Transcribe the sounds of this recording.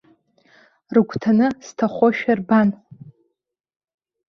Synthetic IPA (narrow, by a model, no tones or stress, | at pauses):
rɨɡʷʰʼtʰanɨstʰaχʷoʃᶣarban